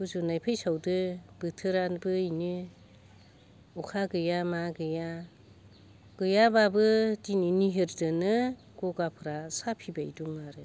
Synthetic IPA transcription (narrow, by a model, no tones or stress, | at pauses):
buzunajpʰajsawdɯb̥ɯtʰɯɾanbɯinɯ | ɔkʰaɡɯjamaɡɯja | ɡ̥ɯjababɯdininiɦɯɾdɯnɯ | ɡ̥ɔɡapʰɯɾasapʰibajduŋaɾɯ